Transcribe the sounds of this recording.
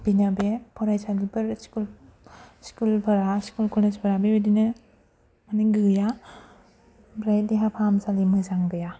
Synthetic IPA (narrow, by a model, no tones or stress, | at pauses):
b̥inabepʰɔɾajsadibɯɾskul | skulbɐɾaskulkʰɔled͡ʒbɐɾabebedinɯ | maniɡɯja | bɾajt̚diɦapʰamsalimɯzaŋdɯja